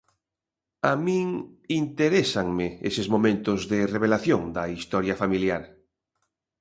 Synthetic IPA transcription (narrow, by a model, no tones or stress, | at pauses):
amĩŋ | int̪eɾesaŋmɪesɪzmomẽnt̪ʊzðɪreβ̞elaθjoŋd̪ɐist̪ɔɾjafamiljaɾ